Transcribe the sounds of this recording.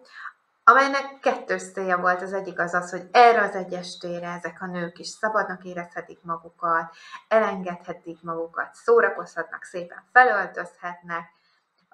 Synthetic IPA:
ɒmɛjnɛkːɛt̪ːøːʃt̪seːjɛvo̞lt̪ɒzɛɟːikɒzɒsho̞ɟɛːrɛɒzɛɟːɛʃt̪eːɾɛɛzɛkɒnøːkiʃsɒbɒd̪nɒkeːɾɛshɛt̪ikmɒɡukɒt̪ɛlɛŋɡɛt̪hɛt̪ːikmɒɡukɒt̪soːɾɒko̞shɒt̪nɒ̰kseːpɛ̰ɱfɛlø̞lt̪ø̞shɛt̪nɛk̚

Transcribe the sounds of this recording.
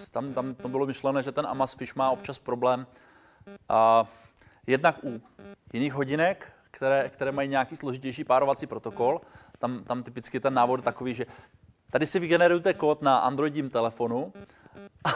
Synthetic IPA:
t̪amt̪amt̪obɪlo̞mɪʃlɛnɛʒɛt̪ɛnʔa̰masfɪʃmaːopt͡ʃaspɾoblɛːm | jɛdnakʔujɪniːxɦo̞ɟɪnɛkː | kt̪ɛɾɛːkt̪ɛɾɛːmajiɲɛakiːsloʒɪcɛjʃ̬iːpaːɾo̞vat͡siːpɾo̞t̪oko̞lt̪amt̪amt̪ɪpɪt͡skɪt̪ɛnːaːvot̪t̪akoviːʒɛ | t̪adɪsɪvɪɡɛnɛɾujut̪ɛkoːt̪naʔa̰nd̪ɾo̞jɟɲimt̪ɛlɛfo̞nu | ʔ

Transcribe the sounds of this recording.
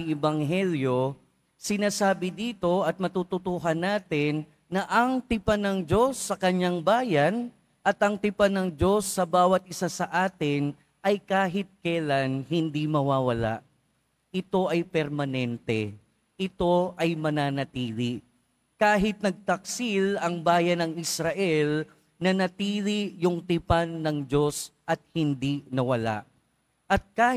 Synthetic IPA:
ɛbɐŋɦɛljo̞ | sɪnaːsaːbɪd̪iːt̪o̞ʔɐt̪̚mɐt̪uːt̪ʊt̪uːɦɐnːaːt̪ɪnː | ɐʔɐŋt̪ɪpanɐŋd͡ʒo̞sːɐkɐɲːaŋbaːjɐn | ʔɐt̪ɐŋt̪ɪpanɐŋd͡ʒo̞sːɐbaːwɐt̪̚ʔɪsasɐʔaːt̪ɪn | ʔɐjkaːɦɪt̪̚kɐjlanɦɪnd̪imɐwaːwɐla̰ʔ | ʔɪt̪o̞ʔɐjpɛɾmɐnɛnt̪ɛ | ʔɪt̪o̞ʔɐjmɐnaːnɐt̪iːli | kaːɦɪt̪̚nɐɡ̚t̪ɐk̚silɐŋbaːjɐnɐŋɪsɾɐʔɛl | nɐnɐt̪iːlijʊŋt̪ɪpanːɐŋd͡ʒo̞sʔɐt̪̚hɪnd̪inɐwɐla̰ʔ | ʔɐt̪̚kaː

